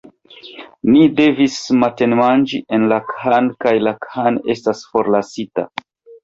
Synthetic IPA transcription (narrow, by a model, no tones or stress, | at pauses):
nide̞vismate̞nmand͡ʒiʔe̞nlakʰankajlakʰane̞stasfo̞ɾlasita̰